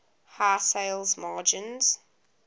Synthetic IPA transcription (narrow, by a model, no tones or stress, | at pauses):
haːseɪlˠzmɑːd͡ʒɪ̃nz̥